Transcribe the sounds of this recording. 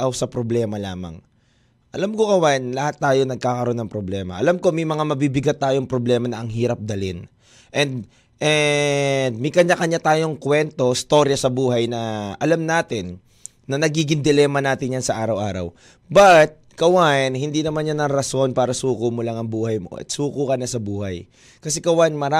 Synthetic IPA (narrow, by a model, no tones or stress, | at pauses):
ʔɐwsɐpɾoblɛːmɐlaːmɐ̰ŋ | ʔɐlamkokɐwaʔnlɐhat̪ːaːjo̞nɐɡ̚kaːkɐɾo̞nːɐŋpɾoblɛːmɐ̰ʔɐ̰lamko̞mɐjmɐŋamɐbibɪɡat̪ːaːjoŋpɾoblɛːmɐnɐʔɐŋɦiːɾɐp̚d̪ɐlɪn | ʔɛnd̪ | ʔɛ | d̪̚mɛjkɐɲakɐɲat̪aːjo̞ŋkwɛnt̪o̞ɪst̪o̞ɾjɐsɐbuːɦɐjnɐʔɐlamnaːt̪ɪnː | ɐnɐɡiːɡɪŋd̪ɪlɛːmɐnaːt̪ɪɲjansɐʔaːɾɐwʔaːɾɐ̰w | bɐt̪̚kɐwanhɪnd̪inɐmanjanɐɾɾɐso̞npaːɾɐsuːkʊmolaŋɐŋbuːhɐjmo̰ʔɐ̰t̪̚sukuːkɐnɐsɐbuːhɐj | kɐsɛkɐwanmɐɾa